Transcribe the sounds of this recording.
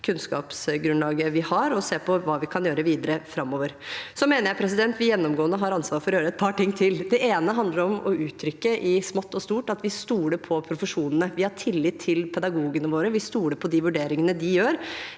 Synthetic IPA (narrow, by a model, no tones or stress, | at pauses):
kʰʉnskɑ̰ːpsɡɾʉnlɑːɡəʋɪhɑɾɔseːpʰɔʋɑːʋɪkʰɑnjøːɾəʋiːd̪əɾəfɾɑmːoːʋəɾsɔmeːnəɾjæɪpʰɾɛs̬ɪd̪ɛnt̪ʋɪjɛnːɔmɡoːənːəɦɑɾɑnsʋɑːɾfɔɾɔjøːɾəɛt̪̚pʰɑːʈɪŋːt̪ʰɪld̪ɛʔeːnəɦɑnd̪ləɾɔmɔʉːt̪ʰɾʏkːəʔɪsmɔt̪ːɔst̪uːʈɑt̪ʋɪst̪uːləpʰɔpʰɾʊfəʂuːnənəʋɪhɑʈʰɪlːɪt̪ʰːɪlpʰɛd̪ɑɡuːɡənəʋoːɾəʋɪst̪uːləpʰɔd̪ɪʋʉɖeːɾɪŋənəd̪ɪjøːɾ